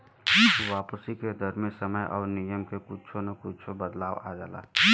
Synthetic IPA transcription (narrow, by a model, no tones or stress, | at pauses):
ʋaːpsiked̪ʱəɾmẽsəməjʔɔ̰ːɾnijəmkekʊt͡ʃʰonekʊt͡ʃʰobəd̪laːwad͡ʒa̰ːla̰ː